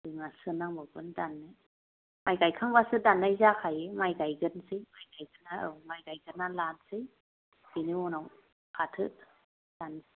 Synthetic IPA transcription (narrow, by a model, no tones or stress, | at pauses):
dɯŋasɯnaŋbɯbɯndanːɯ | majɡajkʰaŋbasɯdanːajzakʰajemajɡajɡɯnsɯjmajɡajɡɯnaɯwmajɡajɡɯnalansɯj | biniɔnaw | kʰatʰɯ | d̥an